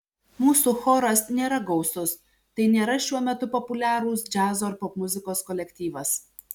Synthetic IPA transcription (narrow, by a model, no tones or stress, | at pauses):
muːsuːxoːɾɐsnʲeːɾɐɡɒʊsʊs | t̪ɐɪnʲeːɾɐʃʲuɔmʲɛt̪ʊpɔpʊlʲæːɾuːs̬d͡ʒʲæːzoːɾpɔpmʊzʲɪkoːskɔlʲɛkʲt̪ʲiːʋɐs